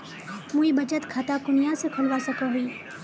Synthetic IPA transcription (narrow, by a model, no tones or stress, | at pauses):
muibɐt͡ʃət̪kʰaːt̪akʊnijãsekʰɐlʋasɐkəɦʊiː